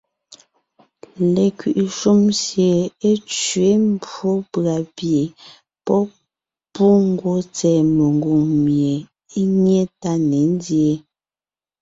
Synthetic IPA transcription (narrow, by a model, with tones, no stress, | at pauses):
le˨kɥi˨ʔʃu˦msje˨e˦t͡ʃɥe˦m˦bo˦pɰa˨pje˨ | pɔ˦ | pu˦ŋ̩˦ɡwo˦t͡sɛː˨me˨ŋ˨ɡu˨ŋmje˨ | i˦ɲe˦ta˦ne˨˦n˦dje˦˨